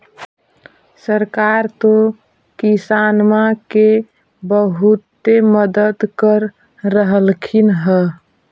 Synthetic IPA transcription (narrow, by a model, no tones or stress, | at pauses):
səɾkaɾt̪o | kisanmake | bəɦut̪ːeməd̪əd̪kəɾː | əɦəlkʰinɦɛ